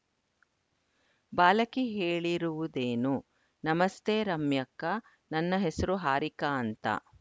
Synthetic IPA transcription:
baːlɐkiɦeːɭiɾuʋud̪eːnu | nɐmɐst̪eːɾɐmjɐkːɐ | nɐnːɐɦesɐɾuɦaːɾikaːnt̪ɐ̰

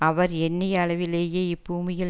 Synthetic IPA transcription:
ɐʋɐɾɛnːɐjɐɭɐʋɪleːjeːɪbːuːmɪjɪ

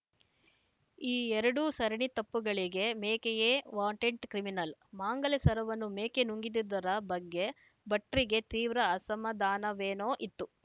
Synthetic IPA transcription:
iːɛɾɐɽusɐɾɐɳit̪ɐpːuɡɐɭiɡe̞meːkejeːʋaːɳʈeɳʈkɾiminɐlmaːŋɡɐlesɐɾɐʋɐnːumeːkenuŋɡid̪id̪ɐɾɐbɐɡːe̞ | bɐʈːɾiɡe̞t̪iːʋɾɐɐsɐmɐd̪aːnɐʋeːnoːʔit̪ːu

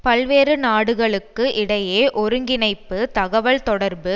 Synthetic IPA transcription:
pɐlʋeːɾɯnaːɽɯɣɐɭɯkːɯʔɪɽɐjeːʔɔɾɯŋɡɪnɐɪpːɯt̪ɐɣɐʋɐɭt̪ɔɽɐɾbɯ

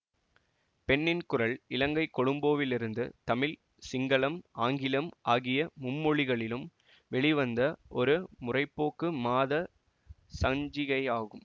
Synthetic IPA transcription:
pɛnːɪnkʊrɐɭɪlɐŋɡɐɪkːɔɽɯmboːʋɪlɪɾɯnd̪ɯt̪ɐmɪl | sɪŋɡɐɭɐmaːŋɡɪlɐmaːɣɪjɐmʊmːɔɭɪɣɐɭɪlɯm | ʋɛɭɪʋɐnd̪ɐʔɔɾɯmʊrɐɪpːoːkːɯmaːðɐ | sɐɲd͡ʒɪɣɐɪaːɣɯm

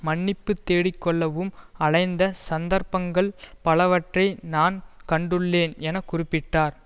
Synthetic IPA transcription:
mɐɳːɪpːɯt̪ːeːɽɪkːɔɭːɐʋɯmɐɻɐɪnd̪ɐsɐnd̪ɐɾpɐŋɡɐɭpɐlɐʋɐʈrɐɪnaːnkɐɳɖɯɭːeːnɛnɐkːʊrɪpːɪʈːaːɾ

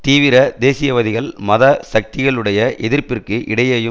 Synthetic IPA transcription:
t̪iːʋɪɾɐd̪eːsɪjɐʋɐðɪɣɐɭmɐðɐsɐk̚t̪ɪɣɐɭɯɽɐjɐʔɛðɪrpɪrkɯʔɪɽɐjɐːjɯ

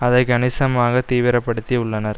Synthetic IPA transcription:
ɐðɐɪkɐɳɪsɐmaːɣɐt̪iːʋɪɾɐpːɐɽɯt̪ːiʊɭːɐnɐɾ

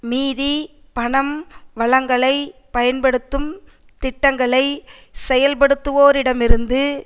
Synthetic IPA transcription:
miːði | pɐɳɐmʋɐɭɐŋɡɐɭɐɪpɐjɐnpɐɽɯt̪ːɯm | t̪ɪʈːɐŋɡɐɭɐɪ | sɛjɐlpɐɽɯt̪ːɯʋoːɾɪɽɐmɪɾɯnd̪ɯ

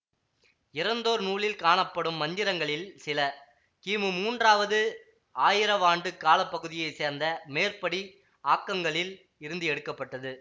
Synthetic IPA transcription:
ɪɾɐnd̪oːɾnuːɭɪlkaːɳɐpːɐɽɯmːɐnd̪ɪɾɐŋɡɐɭɪlsɪlɐ | kiːmɯmuːndraːʋɐðɯ | aːjɪɾɐʋaːɳɖɯkːaːlɐpːɐɣɯðɪjɐɪseːɾnd̪ɐmeːrpɐɽi | aːkːɐŋɡɐɭɪl | ɪɾɯnd̪ɯɛɽɯkːɐpːɐʈːɐðɯ

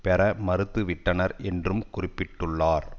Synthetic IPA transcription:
pɛɾɐmɐɾɯt̪ːɯʋɪʈːɐnɐɾɛndrɯmkʊrɪpːɪʈːɯɭːaːɾ

